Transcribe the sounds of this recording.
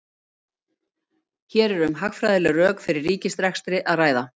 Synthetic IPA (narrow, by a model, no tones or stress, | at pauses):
çɛːɾɛɾʏmɦaxfɾajðɪlʏrœːkfɪɾɪrːiːcɪst̪ɾɛxst̪ɾɪʔaðraːjða